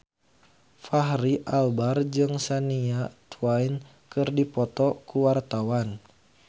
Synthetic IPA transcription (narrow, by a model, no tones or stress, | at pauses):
faɦriʔalbard͡ʒɨŋsaniat̪wajn | kɨrdipɔt̪ɔkuwart̪awan